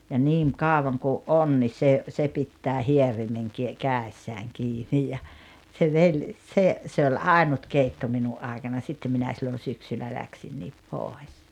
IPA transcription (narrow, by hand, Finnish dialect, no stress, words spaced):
jɑ niːŋ kɑˑoʋɑŋ kuʔ ʔon ni se se pitːæː hierimeŋ ki kæˑesːæːŋ kiːni jɑ se ʋei se se ol ɑˑinut keitːo minuʔ ʔɑikɑnɑ sitːe minæ silːon̞ syksylːæ læksinːiːp poˑes